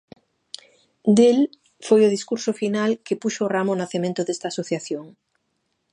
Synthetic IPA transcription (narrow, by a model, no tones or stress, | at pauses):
d̪el | fojʊðiskuɾsʊfinalkepuʃoːramonaθemẽnt̪ʊðest̪aːsoθjaθjoŋ